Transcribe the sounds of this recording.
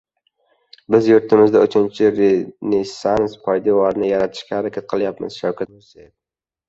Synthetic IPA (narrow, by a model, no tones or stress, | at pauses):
bɪzjʊɾt̪ʰɪmɪzd̪aʊt͡ʃʰɪnt͡ʃʰɪɾenesanspʰɒjd̪ilaɾnɪjaɾat̪ʰɪ̥ʃkʲahaɾakʲʰat̪̚qʰɨlˠjapmɪ̰z̥ʃawkʰʲat̪̚mosad̪ɪ